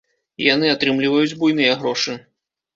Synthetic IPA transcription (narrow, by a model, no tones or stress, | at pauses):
jan̪ɨat̪ɾɨmlʲivɐjud͡zʲbujnɨjɐɣɾɔʂɨ